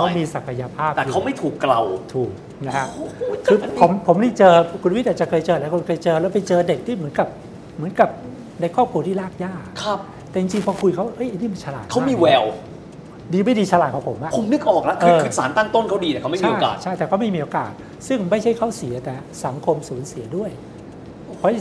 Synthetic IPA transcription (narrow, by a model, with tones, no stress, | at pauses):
kʰa˦˥miː˧sa˨˩kʰa˧ja˧pʰaː˥˩p̪̚ɛː˨˩kʰa˦˥wma˥˩jt̪ʰuː˨˩kːla˧wt̪ʰuː˨˩k̚ | na˦˥kʰa˦˥kɯː˧o˩˦mpʰo˩˦mniː˥˩t͡ɕɤː˧kʰu˧n˧wt̪̚ʔ̚ːt͡ɕa˨˩kʰɤː˧jt͡ɕɤː˧lɛ˦˥wkʰo˧nkʰɤː˧jt͡ɕɤː˧lɛ˦˥wpa˧jt͡ɕɤː˧de˨˩k̚t̪ʰiː˥˩mɯ˩˦nka˨˩p̚ | mɯ˩˦ə˦nka˨˩p̚ | na˧jkʰɔː˥˩p̚kʰu˧ət̪ʰiː˥˩laː˥˩k̚jaː˥˩kʰa˦˥ | t̪ɛː˨˩t͡ɕi˧ŋt͡ɕi˧ŋpʰɔː˧kʰu˧jkʰa˦˥wa˥˧˩ʔɤ˦˥jʔa˧˩niː˥˩ma˧nt͡ɕʰa˧laː˨˩t̪̚kʰa˦˥˧miː˧˦˧wɛː˧w | diː˧ma˥˩jdiː˧t͡ɕʰa˧laː˨˩t̪̚kʰːpʰo˩˦mʔa˧ʔpʰo˨˦mnɯ˦˥k̚ʔɔː˨˩k̚la˦˥kʰʔɤː˧ɯ˦˧saː˩˦nt̪a˥˩ŋt̪o˥˩nkʰa˦˥wdiː˧ɛ˨˩kʰa˦m˥˩ii˧o˥˩ja̰ː˨˩t͡ɕʰa˥˩jt̪ɛː˨˩kʰɔː˧˥˩ma˥˩˧miː˧ʔo˧ka̰ː˨˩t̪̚ | sɯ˥˩ŋma˥˩jt͡ɕʰa˥˩jkʰa˦˥˩wsi˨˩˦ɐ˦t̪ɛː˨˩ | sa˨˩˦ŋkʰo˧msuː˩˦nsi˩˦ɐdu˥˩əj | kʰɔ˧˦˥